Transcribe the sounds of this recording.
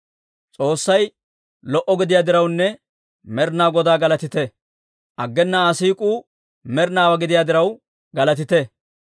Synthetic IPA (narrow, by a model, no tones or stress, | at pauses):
t͡sʼo̞ːsːɐj | lɔʔɔɡɪd̪ɪjaːd̪ɪɾɐwnːɛ | mɛɾnaːɡɔd̪aːɡɐlɐt̪ɪt̪ɛ | ʔɐɡːɛnːaːsiːkʼuː | mɛɾnaːwɐɡɪd̪ɪjaːd̪ɪɾɐw | ɡɐlɐt̪ɪt̪ɛ